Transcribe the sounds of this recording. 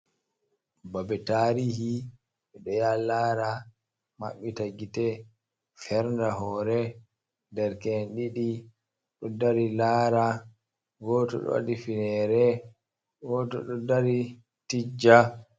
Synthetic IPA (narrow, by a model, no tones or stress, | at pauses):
babɛtaːɾihi | ɛɗɔjalaːɾa | ma̰ɓːitaɡitɛ | fɛɾndaɦɔɾɛ | dɛɾkɛnɗiɗi | ɗɔdaɾilaːɾa | ɡɔːtɔ̰ɗɔ̰a̰ɗifinɛɾɛ | ɡɔtɔ̰ɗɔdaɾi | tid͡ʒa